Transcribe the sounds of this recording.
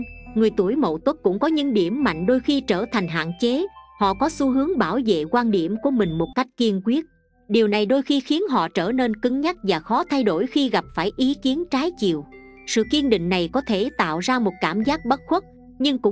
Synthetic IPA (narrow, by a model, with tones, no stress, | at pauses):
ŋɨ˨˩əjt̪u˧˩əjmo̰˧˨wt̪wə˦˥k̚kʊ̰˧˥ŋ͡mkɔ˨˦ɲɨ̰˧˥ŋɗi˧˩əmːa̰˧˨jŋ̟ɗo˧jxi˧t͡ɕəː˧˩t̪ʰa˨˩jŋ̟ɦa̰ː˧˨nt͡ɕe˨˦hɔ̰˧˨kɔ˨˦su˨˧˦ɦɨ˨˦əŋɓaː˧˩wvḛ˧˨kwaː˧nɗi˧˩əmku˧˩əmï˨˩ŋ̟mo˨˩t̚ka˦˥jk̟̚ki˧ənkwi˦˥ət̚ | ɗi˨˩əwna˨˩jɗo˧jxi˧xi˨˦ənɦɔ̰˧˨t͡ɕəː˧˩ne˧nkɨ˨˦ŋɲa˦˥k̚vaː˨˩xɔ˨˦t̪ʰa˧jɗo˧˩jxi˧ɣa˨˩p̚faː˧˩jʔi˨˦ki˨˦ənt͡ɕaː˨˦jt͡ɕḭ˧˨əw | sɨ̰˧˨ki˧ənɗḭ̈˧˨ŋ̟na˨˩jkɔ˨˦t̪ʰe˧˩t̪a̰ː˧˨wzaː˧mo˨˩t̚kaː˧˩mzaː˦˥k̚ɓə˦˥t̚xwə˦˥t̚ | ɲɨ˧ŋkʊ̰˧˥ŋ͡m